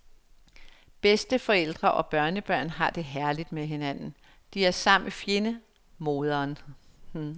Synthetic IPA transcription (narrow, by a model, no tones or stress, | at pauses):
b̥esd̥əfɒ̽el̰d̥ʁɐʔɒ̽b̥ɶɐnəb̥ɶɐ̰nɦɑ̈d̥e̝ɦæɐlid̥meɦe̝næn̰n̩ | d̥iæɐsɑ̈m̰̩fje̝nə | mo̝ːð̞ˠɐːn